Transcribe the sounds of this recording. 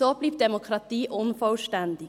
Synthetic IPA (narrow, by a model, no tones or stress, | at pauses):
oːbliʋd̪ɛmʊkʰɾɑt̪iːʔɔnfɔʉʃʈɛnd̪ɪ